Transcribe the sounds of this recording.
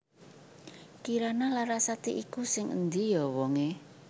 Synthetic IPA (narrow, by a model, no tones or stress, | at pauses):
kiɾanalaɾasat̪iʔikusɪŋʔə̰nd̪ijɔwɔŋe